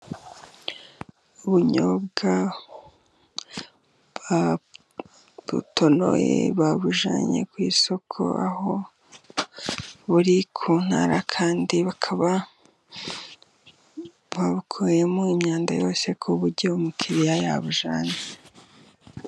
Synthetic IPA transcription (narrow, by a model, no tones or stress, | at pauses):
uβuɲob̚ɡa | βa | ṵto̞no̞̰jḛβaβuʒa̰ɲḛkwiːso̞kʰo̞̰aho̞ | βuɾikʰuːn̥ha̰ɾakʰaːndiβakʰaβa | βaβukʰojemuimɲaːndajo̞ːse̞kʰuβuɾɟomukʰiɾijajaβuʒaːɲe